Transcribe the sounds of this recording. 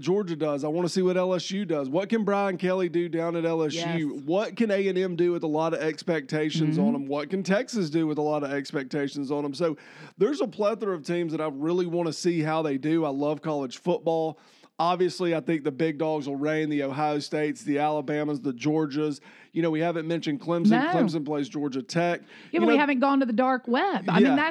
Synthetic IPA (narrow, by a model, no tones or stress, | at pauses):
d̥ʒ̥ɔɹd͡ʒɨdʌzaɪwɑ̃nəsiwʌɾɛlˠɛsjʉdʌzwʌt̚kɨ̃nbɹaɪɨ̃nkʰɛlˠidɨdãʊ̃nɨɾɛlˠɛsjʉwʌt̚kɨ̃neɪɛ̃nɛ̃mdɨwɨðəlɑɾʌvɛkspɛk̚tʰeɪʃɨ̃nzn̩ə̃m̩wʌt̚kɨ̃n̩tʰɛksɨs̬dɨwəðəlɑɾʌvɛkspɛk̚tʰeɪʃn̩zn̩ə̃msoʊðə˞zəpʰl̥ɛθə˞ʌv̥tʰĩmzðəɾaɪɹɪlˠiwɑ̃ñɨsiɦaʊðeɪdʉaɪlʌv̥kʰɑlˠəd̥ʒ̥fʊt̚b̥ɔlˠ | ɑbviɨsliaɪθɪ̃ŋk̚ðɨbɪɡ̚dɔɡzl̩ˠɹẽɪ̃nðioʊɦaɪoʊsteɪtsðiælˠəbæ̃məzðɨd͡ʒɔɹd͡ʒəz | jɨñoʊwihævɨ̃nmɛ̃nʃɨ̃n̚kʰl̥ɪ̃msɨ̃kʰl̥ɪ̃ms̬ɨ̃npʰl̥eɪs̬d̥d͡ʒɔɹd͡ʒɨtʰɛk | jɨihævɨ̃nɡ̥ɔ̃ntɨðɨdɑɹkwɛbaɪinæ